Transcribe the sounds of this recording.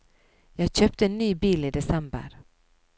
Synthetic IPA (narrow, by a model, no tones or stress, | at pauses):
jɑːɡɕøːp̚t̪əɛnːyːbiːlid̪ɛsɛmbə̰ɾ